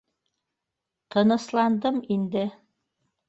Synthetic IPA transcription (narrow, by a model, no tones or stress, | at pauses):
t̪ʰɤ̆nɤ̆slˠɑnd̪ɤmind̪ɘ